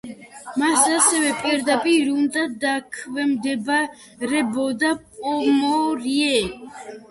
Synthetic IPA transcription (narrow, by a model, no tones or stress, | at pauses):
masasɛvɛpʼiɾd̪apʼiɾund̪ad̪akʰvɛmd̪ɛba | ɾɛbɔd̪apʼɔmɔɾiɛ